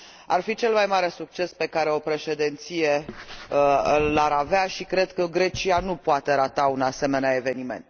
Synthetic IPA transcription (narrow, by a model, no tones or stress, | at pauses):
a̰rfit͡ʃe̞lmajmaɾe̞suk̚t͡ʃe̞spe̞kaɾe̞o̞pɾe̞ʃe̞d̪ent̪sije̞ | aɾaveaʃikɾe̞d̪kəɡɾe̞t͡ʃianupoat̪e̞ɾat̪aunase̞me̞neae̞ve̞nime̞̰nt̪